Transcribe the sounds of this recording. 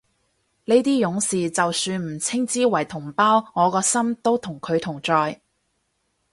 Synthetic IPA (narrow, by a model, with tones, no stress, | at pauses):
le˨˥t̪iː˥jʊ˨˧˥ŋsiː˨t͡sɐ˨wsyː˧nm̩˨˩t͡sʰɪ˥ŋt͡siː˥wɐ˨˩jt̪ʰʊ˨˩ŋpaː˥wŋɔː˨˧kɔː˧sɐ˥mt̪o˥wt̪ʰʊ˨˩ŋkʰɵ˨˧ɥt̪ʰʊ˨˩ŋt͡sɔː˧j